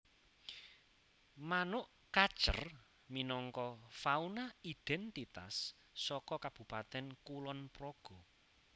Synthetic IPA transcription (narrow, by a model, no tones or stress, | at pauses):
manʊʔ | kḁʒ̥ə̰r | minɔŋkɔfaunaid̪̥ɛnt̪it̪a̰sː | ɔkɔkab̥ṳpat̪ɛnkulɔnprɔɡ̥ɔ